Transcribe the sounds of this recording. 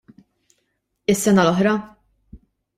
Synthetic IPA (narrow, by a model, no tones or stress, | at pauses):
ɪsːɛnɐlɔħɾɐ